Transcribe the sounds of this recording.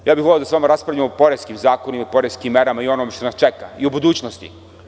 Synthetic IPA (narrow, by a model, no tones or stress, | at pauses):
jaːbixolʲeod̪asʋamaɾaspɾavʎamopo̞ɾeskimzaːkonimaipo̞ɾeskimːeɾamaio̞nomeʃt̪o̞nast͡ʃeka̰iubud̪uːt͡ɕnost̪ḭ